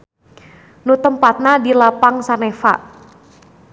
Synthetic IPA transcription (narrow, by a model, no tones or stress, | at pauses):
nut̪əmpat̪̚nadilapaŋsanefa̰ʔ